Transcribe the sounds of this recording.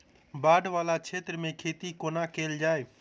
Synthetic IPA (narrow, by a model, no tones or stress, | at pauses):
baːɖʋaːlat͡ʃʰeːt̪ɾəmẽkʰeːt̪ikoːnakeːld͡ʒaːe